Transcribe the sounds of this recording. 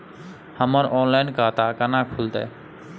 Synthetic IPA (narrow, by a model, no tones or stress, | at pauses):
həməɾɔːnlaɪnkaːt̪akanakʰuld̪a̰e